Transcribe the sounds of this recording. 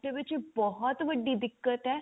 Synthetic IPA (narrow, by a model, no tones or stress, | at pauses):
ʈəʋɪt͡ʃbɔɦɔt̪ʋəɖːid̪ɪkːət̪ɦɛː